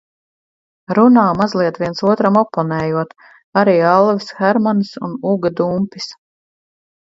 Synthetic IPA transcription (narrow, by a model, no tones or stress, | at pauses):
ɾunaːmazlˠiɛt̪ʋiɛnsuɔt̪ɾamɔpːɔnɛːjuɔt̪ | aɾiːalˠvisxɛɾmansṵnuɡad̪umpis